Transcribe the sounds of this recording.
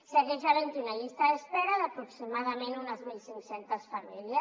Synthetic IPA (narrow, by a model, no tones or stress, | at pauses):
seɣɛʒalent̪iunaʎist̪aespɛɾaðapɾuksimaðamẽnunazmilˠsiŋksent̪əsfamiljə